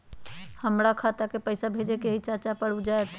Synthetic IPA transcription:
həmɾakʰat̪akepəɪsabʱed͡ʒekeɦit͡ʃat͡ʃapəɽud͡ʒaet̪

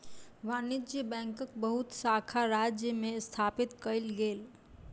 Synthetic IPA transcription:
ʋaːnɪd͡ʒjəbɛ̃ːŋkək̚bəɦut̪saːkʰaɾaːd͡ʒjəmẽst̪ʰaːpɪt̪kəɪlɡeːl

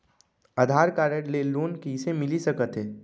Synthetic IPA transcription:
ɐd̪ʱaːɾkaːɾeʈleloːnkiɪsemɪlisɐkət̪ɦɛː

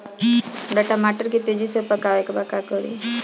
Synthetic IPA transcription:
baʈamaʈəɾkit̪ed͡ʒisəpakaʋekbakakɔɾḭ

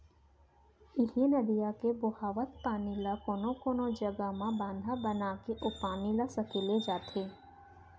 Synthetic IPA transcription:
ɪlijenɐd̪ijakebʊhaːʋət̪̚paːnɪlakoːnõkoːnod͡ʒəɡamãbãːnd̪ʱabənakeʔʊpaːnilasɐkeːled͡ʒaːt̪ʰeː

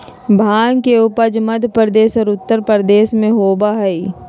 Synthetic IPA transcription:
bʱaːŋkeʊpəd͡ʒmɐd̪ʱpɾəd̪eːsɔːɾʊt̪ːəɾpəɾd̪eːsmẽɦoːbaɦɛi

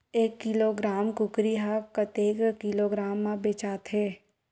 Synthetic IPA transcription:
eːkːɪloːɡɾaːmkʊkɾiɦakət̪eːkkiloɡɾaːmːãbeːt͡ʃaːt̪ɦeː

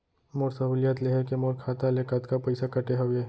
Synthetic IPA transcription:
moːɾsɐɦuːlijaːt̪leɦekemoːɾkʰaːt̪alekət̪kapɐɪsakɐʈeɦɐʋeː

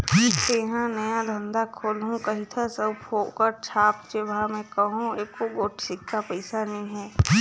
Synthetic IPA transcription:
t̪eːɦãnɐjad̪ʱə̃nd̪akʰoːlɦũkɐɦit̪ʰasəbpʰoːkəɾt͡ʃʰaːp̚t͡ʃebamɛ̃kɐɦũeːkoɡoːʈʰsɪkːapəɪsanɐɦĩɦɛː

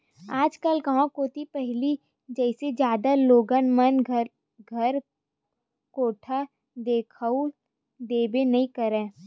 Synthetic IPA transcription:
aːd͡ʒkəlkɐɦãkoːt̪ipɛɦli | d͡ʒɛɪsed͡ʒjaːd̪aloːɡənmən | ɡʱɐɾ | koːʈʰa | d̪eːkʰau | d̪eːbenɐɦĩkəɾɛ̃ː

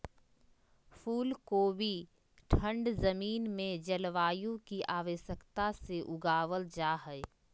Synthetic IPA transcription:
fʰuːlkoːbʱi | ʈʰə̃ɳɖzəmiːnmẽd͡ʒəlʋaːjõkiʔaːʋəʃjəkt̪aseʔʊɡaːʋəld͡ʒaːɦɛe

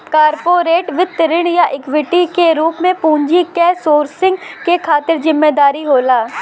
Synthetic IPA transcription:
kaːɾpoːɾeːʈʋɪt̪ːəɾɪɽ̃jaʔɪkʋɪʈikeɾuːpmẽpũːɲd͡ʒikɛːsoːɾsɪ̃ŋɡkekʰaːt̪ɪɾzɪmːeːd̪aːɾiɦoːlaː

